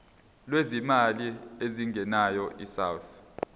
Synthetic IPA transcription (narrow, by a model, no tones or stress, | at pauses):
lwezimalieziŋɡʱɛnajɔʔisawθ